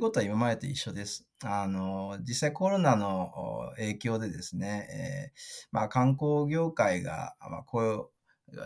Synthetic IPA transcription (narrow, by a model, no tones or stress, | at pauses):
ko̞t̪o̞aimamad̪et̪oiɕːo̞d̪e̞sɨ̥ | ano̞d͡ʑisːaiko̞ɾo̞nano̞e̞ːkʲo̞ːd̪e̞d̪e̞sɨne̞ḛːmakãŋko̞ːɡʲo̞ːkaiɡa̰ma̰koo